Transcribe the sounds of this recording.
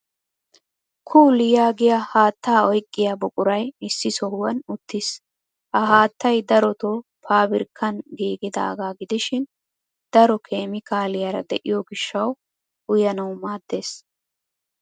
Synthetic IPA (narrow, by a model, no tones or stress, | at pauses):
kʰuːlɪjaːɡɪjahaːt̪ːaːɔjkʼːɪjabɔkʼʊɾɐjɪsːɪsɔwɐnʊt̪ːɪs | ʔɐɦaːt̪ːɐjd̪ɐɾɔt̪opʰaːbɪɾkʰːɐnɡiːɡɪd̪a̰ːɡaːɡɪd̪ɪʃɪn | d̪̥ɐɾɔkʰe̞ːmɪkʰaːlɪjɐɾɐd̪ɛ̰ʔɪjɔɡɪʃːɐw | ʊjɐnɐwmaːd̪ːe̞ːs